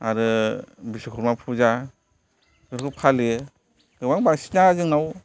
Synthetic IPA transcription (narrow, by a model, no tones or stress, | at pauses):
aɾɯbisikʰɔɾmapʰuza | ɡɯɾkʰɯpʰale | ɡɯbaŋbaŋsi̥nazɯŋnaw